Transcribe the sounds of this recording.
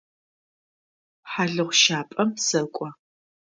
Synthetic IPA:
ħaɮɨʁʷʃaːpʼɐmsɐkʷʼɔ

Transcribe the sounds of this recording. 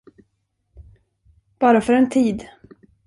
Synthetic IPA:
b̥ɑːɾafœɾɛnt̪ʰiːd̪

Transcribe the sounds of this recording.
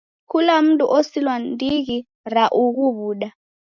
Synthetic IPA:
kʰulam̩tʼuʔosilwandʱik̬i | raʔuk̬uɓuːɗa

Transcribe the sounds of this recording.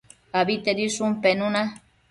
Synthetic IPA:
abit̪eɾisumpenuna

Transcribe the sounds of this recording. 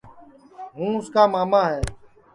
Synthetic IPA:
ɦũːʊskaːmaːmaːɦɛː

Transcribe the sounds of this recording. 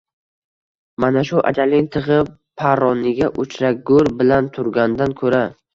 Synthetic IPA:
manaʃʊʔa̰d͡ʒalɪŋt̪ʰɨʁɨp | pʰaɾɒnɪɡʲaʔʊt͡ʃʰɾak̚ɡɵɾbɪlant̪ʰʊɾɡʲand̪ankʰɵɾa

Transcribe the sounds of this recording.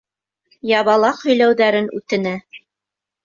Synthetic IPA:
jɑβɑlˠɑqhɵ̆jlæwðæɾɘnʉt̪ɘ̆næ

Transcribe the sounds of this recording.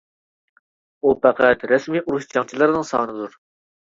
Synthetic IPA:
upʰæqʰæt̪ɾɛsmiːʔuɾuʃt͡ʃʰɑŋt͡ʃʰilˠɨɾnɨŋsɑ̰ːnɨd̪uɾ

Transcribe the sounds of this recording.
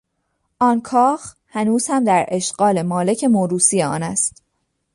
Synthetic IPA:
ʔɒːnkʰɒːx | hænuːz̥hæmd̪æɾʔe̞ʃɢɒːle̞mɒːle̞cʰe̞moɾuːsijeɒ̰ːnæst̪

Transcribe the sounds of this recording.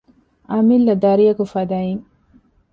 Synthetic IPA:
amilːad̪aɾijakufad̪ai

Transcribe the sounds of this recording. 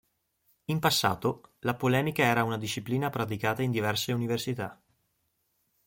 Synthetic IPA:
impasːa̰ːt̪olapolɛːmikaɛːɾaunad̪iʃːipliːnapɾat̪̬ikaːt̪aind̪ivɛrseuniversit̪a

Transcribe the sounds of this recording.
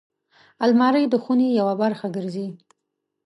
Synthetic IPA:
almɑɾəjd̪əxunejawabaɾxaɡəɾzi

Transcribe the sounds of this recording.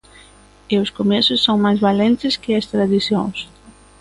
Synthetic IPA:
ɪʊskomɛsʊsːõŋmajzβalɛnt̪ɪskɪɐst̪ɾaðiθjõ̰ŋs

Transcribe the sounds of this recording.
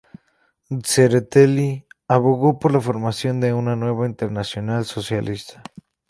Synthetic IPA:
seɾet̪eliaβoɣo̞po̞ɾlafo̞ɾmasjo̞nd̪e̞unanwe̞βaint̪e̞ɾnasjonalso̞sjalist̪ḁ

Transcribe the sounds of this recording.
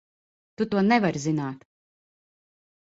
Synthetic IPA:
t̪ut̪uɔnɛvaɾʲzinaːt̪

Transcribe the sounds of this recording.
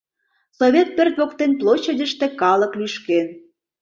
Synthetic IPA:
soβʲet̪̚pørt̪βokt̪enplˠoɕːədʲə̆ʃt̪ĕkɑlɤ̆klyʃken

